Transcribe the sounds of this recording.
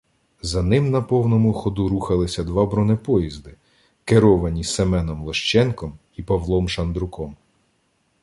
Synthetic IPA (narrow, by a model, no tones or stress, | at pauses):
zɐnɪmnɐpɔwnɔmʊxɔd̪uɾuxɐlˠɪsʲɐd̪ʋɑbɾɔnɪpɔjizd̪ɪ | keɾɔʋɐnʲisemɛnɔmlˠɔʃt͡ʃɛnkɔm | ipɐʋlˠɔmʃɐnd̪ɾʊkɔm